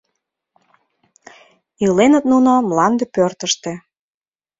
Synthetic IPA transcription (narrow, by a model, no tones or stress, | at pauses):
ilenət̪nunomlɑnd̪epørt̪əʃt̪ĕ